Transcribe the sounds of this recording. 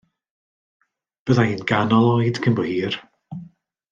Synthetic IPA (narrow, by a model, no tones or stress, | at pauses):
b̥əðainɡ̥anɔlˠɔjdkʰənbɔhiːr